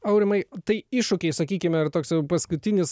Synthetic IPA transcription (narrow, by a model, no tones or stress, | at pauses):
ɐʊɾʲɪmɐɪt̪ɐɪɪʃʊkʲɛɪsɐkʲiːkʲɪmʲɛɐrt̪oːksɛpɐskʊt̪ʲɪnʲɪs